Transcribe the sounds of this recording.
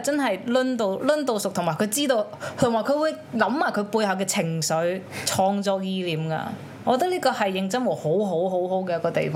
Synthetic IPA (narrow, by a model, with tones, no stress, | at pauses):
t͡sɐ˥nɦɐ˨jlɵ˥nt̪o˧wlɵ˥nt̪o˧wsʊ˨k̚t̪ʰŋmaː˨˩jkʰɵ˨˧ɥt͡siː˥t̪o˧w | t̪ʰːŋmaː˨˩jkʰɵ˨˧ɥwuː˨˧j | lɐ˨˥mmaː˨˩jkʰɵ˨˧ɥpuː˧jhɐ˨˧wkɛː˧t͡sʰɪ˨˩ŋsɵ˨˧˥ɥt͡sʰɔː˧ŋt͡sɔː˧k̚jiː˧liː˨˥mka̰ː˧ | ɔː˨˧kɔ˧t̪ɐ˥k̚liː˥kɔː˧hɐ˨jːɪ˨˧ŋt͡sɐ˥nwɔ˨˩ho˨˥wɦo˨˥wɦo˨˥wɦo˨˥wkɛː˧jɐ˥tkɔː˧t̪ḛ˨jfɔː˧